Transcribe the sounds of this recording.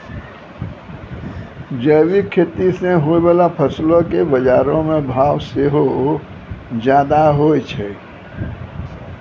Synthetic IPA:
d͡ʒəːwikʰːeːt̪iseɦoebaːlapʰəslõkebəd͡ʒaːɾõmẽbʱaːwseɦo | d͡ʒjaːd̪aɦoet͡ʃʰɛ

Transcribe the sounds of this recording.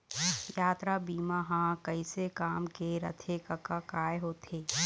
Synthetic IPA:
jaːt̪ɾabiːmaɦãkɐisekaːmkeɾɐ̰t̪ʰekɐkakaːjɦoːt̪ʰeː

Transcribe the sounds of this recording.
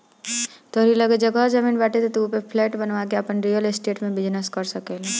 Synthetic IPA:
t̪oɾiləɡed͡ʒɐɡad͡ʒɐmiːnbɛːʈet̪et̪uːpepʰlɛːʈbɐnʋakeapənɾijəlɪsʈeːʈmẽbɪd͡ʒnəskɐɾsɐkele

